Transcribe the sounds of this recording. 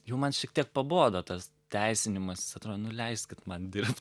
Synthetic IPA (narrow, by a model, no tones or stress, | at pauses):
jɛʊmɐnʃʲɛk̚tʲiɛk̚pɐboːd̪oːt̪ɐs | t̪ʲæɪsʲɪnʲɪmɐsɪsɐt̪ɾoːd̪onʊlʲɛɪsʲt̪kʲɪt̪mɐnd̪ʲɪɾpt̪